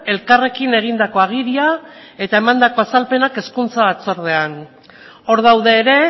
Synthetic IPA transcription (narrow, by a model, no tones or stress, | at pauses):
e̞lkare̞kine̞ɣ̞ind̪ako̞aɣ̞iɾiae̞t̪ae̞mand̪ako̞asalpe̞nake̞skunt͡saβat͡so̞ɾð̞e̞an | o̞ɾð̞awðe̞ːɾe̞